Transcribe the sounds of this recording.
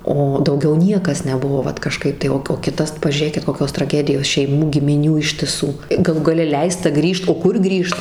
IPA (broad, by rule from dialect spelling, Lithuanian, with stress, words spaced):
ˈoː dɐʊˈɡʲɛʊ ˈnʲiɛkɐs nʲɛˈbʊʋoː ˈʋɐt kɐˈʃkɐɪp tɐɪ ˈoː oː ˈkʲɪtɐs pɐʒʲuːˈrʲeːkʲɪt koːˈkʲoːs trɐˈɡʲæːdʲɪjoːs ʃʲɛɪˈmuː ɡʲɪmʲɪˈnʲuː ɪʃʲtʲɪˈsuː ɡɐˈlˠuː ɡɐˈlʲɛ ˈlʲɛɪstɐ ˈɡrʲiːʃt oː ˈkʊr ˈɡrʲiːʃt